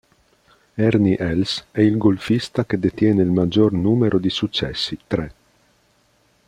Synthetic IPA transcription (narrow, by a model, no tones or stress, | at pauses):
ɛɾniʔɛlsɛilɡolfist̪aked̪et̪jɛːnelmad͡ʒornuːmeɾʔod̪isut͡ʃːɛ̰sːit̪ɾe